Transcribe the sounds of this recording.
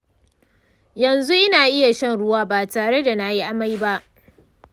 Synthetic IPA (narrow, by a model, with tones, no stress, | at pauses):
jɐ˨nzu˦ʔɪ˦naː˨ʔɪ˦ja˨ʃɐ˦nɽʊ˦waː˦baː˨taː˨ɽe˦da˨na˦ji˦ʔa˦ma˦jba˦ʔ